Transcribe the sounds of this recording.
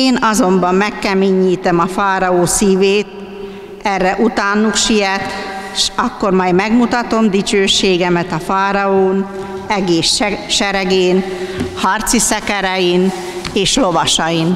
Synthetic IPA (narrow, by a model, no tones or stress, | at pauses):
eːnɒzo̞mbɒmːɛkːɛmiːɲːiːt̪ɛmɒfaːɾɒoːsiːveːt̪̚ | ɛrːɛʔut̪aːnukʃijɛt̪ʃɒkːo̞rmɒjmɛɡmut̪ɒt̪o̞md̪it͡ʃøːʃːeːɡɛmɛt̪ɒfaːɾɒoːn | ɛɡeːʃʃɛɾɛɡeːnhɒrt̪sisɛkɛɾɛjin | eːʃlo̞vɒʃɒjin